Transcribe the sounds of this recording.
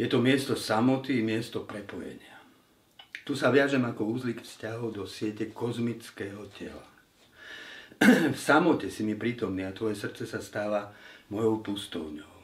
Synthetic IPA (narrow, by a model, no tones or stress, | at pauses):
jɛt̪ɔmɪɛst̪ɔsamɔt̪imɪɛst̪ɔpɾɛpɔjɛ̰ɲɪa | t̪usaʋɪaʒɛmakɔuːzliːkfscaɦɔʊd̪ɔsɪɛcɛkɔzmit͡skɛːɦɔcɛ̰la | fsamɔcɛsimipɾiːt̪ɔmniːat̪ʋɔjɛsr̩t̪t͡sɛsast̪aːʋamɔjɔʊpust̪ɔ̰ʊɲɔʊ